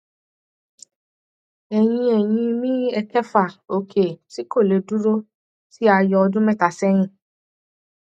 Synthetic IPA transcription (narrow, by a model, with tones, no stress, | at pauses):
ɛ˨jĩ˧ɛ˨j̃ĩ˧mĩ˦ɛ˧kɛ˦fa˦˨o˨kʰe˨si˨˦ko˦˨le˨˦du˦ɾo˦ | si˦a˧jɔ˧ɔ˧dũ˦mɛ̃˦˨ta˨sɛ˦j̃ĩ˦˨